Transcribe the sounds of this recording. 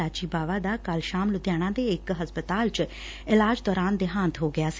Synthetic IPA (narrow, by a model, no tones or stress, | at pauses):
aːt͡ʃiːbaːʋaːd̪aːkəlʃaːmlʊd̪jaːɽ̃ãːd̪eːɪkɦəspət̪aːlt͡ʃ | ɪlaːd͡ʒd̪ɔːɾaːnd̪ɪɦãːnt̪ɦoːɡɪjaːsi